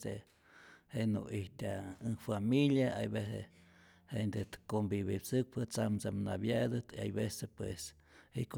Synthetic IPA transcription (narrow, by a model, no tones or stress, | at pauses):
se | henṵiht̪aɨŋfamiljaajbese | hend̪et̪kombiβipsɨk̚pɨt͡samsamnabjad̪ɨt̪ia̰jbesepwḛs | hḭk